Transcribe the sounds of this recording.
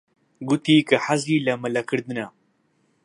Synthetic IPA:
ɡut̪iːkɨħaziːlɐmɨlɐkɨɾd̪ɨna

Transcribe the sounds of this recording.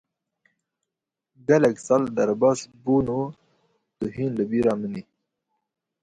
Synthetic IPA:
ɡalaɡsald̪aɾbaːsbunu | d̪̥əɦinləbiɾaməni

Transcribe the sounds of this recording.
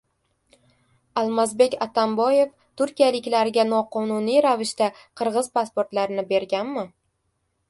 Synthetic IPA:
alˠmazbe̞kʲat̪ʰambɒje̞f | t̪ʊɾkʲijalɪkʲlaɾɪɡʲanɒqʰɒnʊnijɾavɪʃt̪aqʰɨɾʁɨzpaspoɾt̪laɾɪnɪbe̞ɾɡʲanmɪ

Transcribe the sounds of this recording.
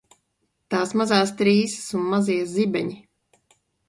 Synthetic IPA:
t̪aːsmazaːst̪ɾiːsi̥sunmaziɛzibʲɛɲi

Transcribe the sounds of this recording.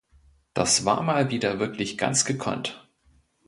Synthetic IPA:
d̥a̰sv̥a̰ːɐmaːlviːdɐvɪɐklɪçɡ̥a̰nt͡sɡ̥əkʰɔ̰nt

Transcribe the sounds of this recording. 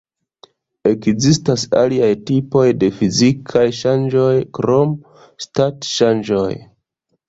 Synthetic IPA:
e̞kzistasa̰liajtipo̞jde̞fizikʰajʃand͡ʒo̞jkɾo̞m | statʃand͡ʒo̞̰j

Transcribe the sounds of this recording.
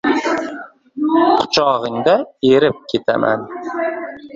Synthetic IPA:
qʰʊ̥t͡ʃʰɒʁɨŋd̪aeɾɪp̚kʲʰe̞t̪ʰa̰ma̰n

